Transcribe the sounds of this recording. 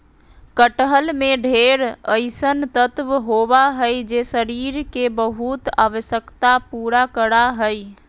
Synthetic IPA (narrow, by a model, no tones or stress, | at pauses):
kəʈəɦəlmeɖʱeɾəɪsənt̪ət̪ʋɦobaɦəjd͡ʒesəɾiɾkebəɦut̪aʋəsjəkt̪apuɾakəɾaɦəj